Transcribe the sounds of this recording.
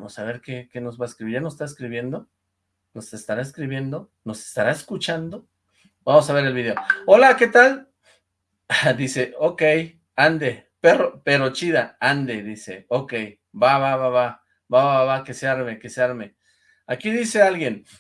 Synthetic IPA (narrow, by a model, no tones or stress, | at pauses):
osaβe̞ɾkekeno̞zβaeskɾiβiɾanosest̪aeskɾiβje̞nd̪o̞ | no̞se̞st̪aɾaeskɾiβje̞nd̪o̞ | no̞se̞̥st̪aɾaeskut͡ʃand̪o | bamos̬aβe̞ɾe̞lβiðe̞oo̞lake̞t̪al | d̪ise̞okej | and̪e | peropeɾo̞t͡ʃiðaand̪e̞ðise̞̰okej | baβaβaβa | baβaβaβakeseaɾme̞keseaɾme | akiðise̞alɣje̞n